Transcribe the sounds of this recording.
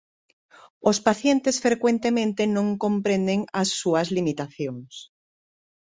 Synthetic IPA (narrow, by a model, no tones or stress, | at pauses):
ospaθjent̪esfɾekwent̪emẽnt̪enõŋkõmpɾẽnd̪eŋasːuɐzlimit̪aθjoŋs